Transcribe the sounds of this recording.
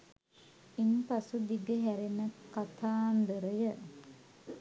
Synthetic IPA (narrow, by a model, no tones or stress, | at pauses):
inpasud̪iɡəɦæɾenːəkat̪ʰaːnd̪əɾəjə